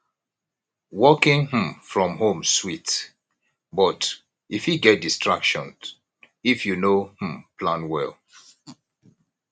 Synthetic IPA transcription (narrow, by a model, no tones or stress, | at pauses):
wɔkɪ̃ŋh̩mfɹɔ̃mɦõmswit | bɔt | ifhiɡɛt̚distɹakʃɔ̃n | ifjunoh̩pʰlãnwɛlˠ